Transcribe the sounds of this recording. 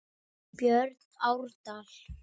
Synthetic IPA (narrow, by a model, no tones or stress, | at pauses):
pjœrt̪awrt̪al